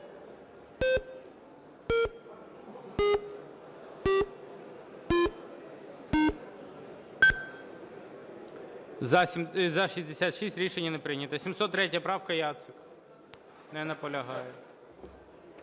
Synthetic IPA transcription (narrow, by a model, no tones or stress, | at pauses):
zzɐʃizʲd̪esʲat̪ʃisʲtʲɾʲiʃenʲːɐnɛpɾɪnʲɐt̪ɐsʲimsɔt̪ːɾɛtʲjɐpɾɑwkɐjɑt̪sɪk | nɛnɐpɔlʲɐɦɑjɛ